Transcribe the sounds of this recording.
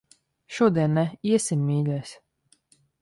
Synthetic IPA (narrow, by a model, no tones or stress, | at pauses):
ʃuɔd̪ʲiɛnːɛiɛsʲimːʲiːlʲɛsʲ